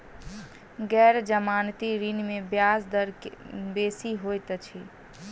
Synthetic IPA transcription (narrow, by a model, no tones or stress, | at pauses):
ɡɛɾd͡ʒəmant̪iɾinmebjasd̪əɾbesiɦojt̪t͡ʃʰi